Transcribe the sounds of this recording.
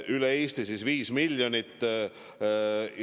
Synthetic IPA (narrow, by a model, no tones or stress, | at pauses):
ʔyleeːst̪isisviːsmilʲjonit̪ːˑ